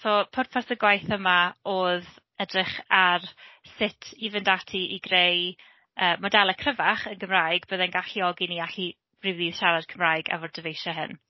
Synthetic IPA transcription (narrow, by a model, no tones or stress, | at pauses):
sopʰɔrpʰarsəɡwajθəmaoːð | ədrɪχarsɪtʰivəndatʰiʔiɡrej | əːmɔdɛlˠəkʰrəvaχənɡəmrajɡb̥əːðɛnɡaɬiɔɡiniaɬi | b̥rɪwðiːðʃaɾad̥kʰəmrajɡa̰vɔrdəvejʃɔɦɪ̰n